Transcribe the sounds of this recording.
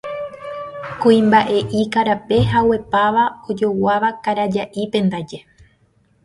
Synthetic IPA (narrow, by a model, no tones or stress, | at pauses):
kuĩmbaʔe̞ʔikaɾape̞ɦawe̞paʋao̞d͡ʒo̞waʋakaɾad͡ʒaʔipẽ̞nd̪ad͡ʒe̞